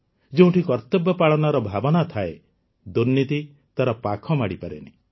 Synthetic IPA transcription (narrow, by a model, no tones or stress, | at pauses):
d͡ʒeũʈikɔɾt̪ɔbɔpaɭɔnaɾɔbʱabɔnat̪ʰae | d̪uɾnit̪i | t̪aɾɔpakʰɔmaɽipaɾḛni